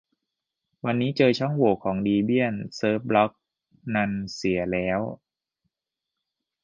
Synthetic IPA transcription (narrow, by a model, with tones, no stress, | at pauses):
wa˧nːiː˦˥t͡ɕɤː˧t͡ɕʰɔ˥˩ŋwu˨˩˦kʰɔː˩˦ŋdiː˧bi˥˩ənsɤː˦˥p̚lɔ˦˥k̚ | na˧nsi˩˦ɐlɛː˦˥w